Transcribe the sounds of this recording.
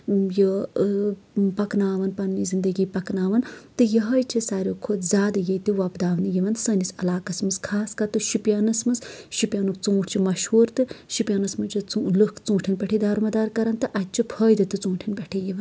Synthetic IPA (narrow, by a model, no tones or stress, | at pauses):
jə | pɐknaːʋɐnpɐnːizind̪ɐɡiːpɐknaːʋɐnt̪ɨjɐɦɐjt͡ʃʰisaːɾʲoːkʰod̪zʲaːd̪ɨjɐjt̪iʋɐpd̪aːʋnjiʋɐnsɐnisɐlaːkɐsmɨskʰaːskɐt̪ɨʃupʲjanɐsmɨsʃupʲjaːnukt͡sũːʈʰt͡ʃʰimɐʃhuːɾt̪ɨʃupjaːnɐsmɨnt͡ʃit͡slɨkʰt͡sũːʈʰinbʲɐʈʰid̪aːɾmɐd̪aːɾkɐɾɐnt̪ɨʔɐt̪̚ʲt͡ʃʰipʰɐːjd̪ɨt̪ɨt͡sũːʈʰinbʲeʈʰijiʋɐn